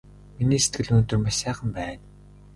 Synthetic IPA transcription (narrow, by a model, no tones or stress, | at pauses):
miniːse̥t̪̚ɡɘ̆ɮɵːt̪ɵ̆rmasaːχə̆mpæːn